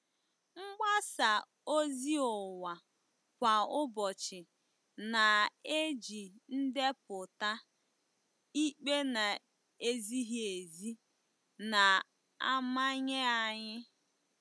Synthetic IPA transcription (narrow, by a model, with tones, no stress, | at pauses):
ŋ͡m̩˦ɡ͡ba˦sa˨ | o˦zi˦ʊ˨wa˨ | kʷa˨ʊ˦bɔ˨t͡ʃɪ˨ | na˨e˦d͡ʒi˨n̩˦de˦pʊ˨ta˦ | i˦k͡pe˦na˨ | e˦zi˦ɦi˦e˨zi˦ | na˨ | a˦ma˦ɲɪ˦a˨ɲɪ˦